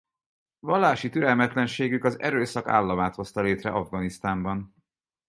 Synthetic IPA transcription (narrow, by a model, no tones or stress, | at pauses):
vɒlːaːʃit̪yɾɛlmɛt̪lɛnʃeːɡykɒzɛ̰ɾøːsɒka̰ːlːɒmaːt̪ho̞st̪ɒleːt̪rɛ̰ʔɒvɡɒnist̪aːmbɒn